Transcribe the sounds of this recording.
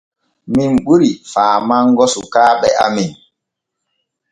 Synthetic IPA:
minɓuɾifaːmaŋɡɔsukaːɓɛʔamin

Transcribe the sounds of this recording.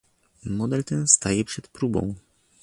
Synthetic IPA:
mɔd̪ɛlt̪ɛnst̪ajɛpʂɛt̪pɾubɔ̰̃w̃

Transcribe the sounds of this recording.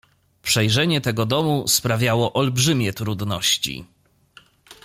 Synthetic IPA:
pʂɛjʐɛɲɛt̪ɛɡɔd̪ɔmuspɾavʲjawɔʔɔlbʐɘmʲjɛt̪ɾud̪nɔɕt͡ɕḭ

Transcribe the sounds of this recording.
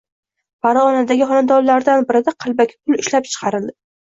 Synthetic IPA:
paɾaɒnad̪aɡʲɪχɒnad̪ɒɾlaɾd̪anbɪɾɪd̪aqʰɨlˠbakʲʰɪ̥pʰʊlɪʃlap̚t͡ʃʰɨ̥qʰɑɾɪld̪ɪ

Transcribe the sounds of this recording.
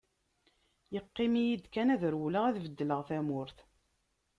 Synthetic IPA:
jəqːɪmijid̪kænæðɾwləʁæðvəd̪ːələʁθæmʊɾθ

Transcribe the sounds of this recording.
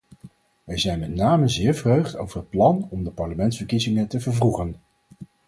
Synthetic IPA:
ʋɛjzɛjnmɛtnaːməzɪːɹvrøɥχto̰wvərɦət̚plɑnɔmdəpɑɹləmɛntsfəɹkizɪŋətəvəɹvruχən

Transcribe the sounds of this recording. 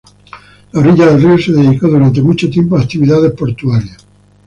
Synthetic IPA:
laoriʎaðelrioseðeðikoðuɾant̪emut͡ʃot̪jempoakt̪iβiðaðehpo̞ɾt̪uaɾja

